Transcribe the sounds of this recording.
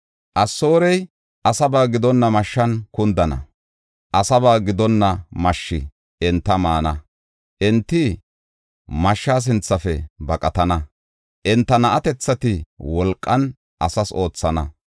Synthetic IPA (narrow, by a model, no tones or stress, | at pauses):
ʔɐsːo̞ːɾɛj | ʔɐsɐbaːɡɪd̪ɔnːɐmɐʃːɐnkʊnd̪ɐnɐ̰ | ʔɐsɐbaːɡɪd̪ɔnːɐmɐʃːɪ̰ | ʔɪnt̪ːɐmaːnɐ | ʔɪnt̪ːɪ | mɐʃːaːs̬ɪnt͡sːɐfɛbɐkʼɐt̪ɐnɐ | ʔɪnt̪ːɐnɐʔɐt̪ɛt͡sːɐt̪ɪwɔlkʼːɐn | ʔɐsɐso̞ːt͡sːɐnɐ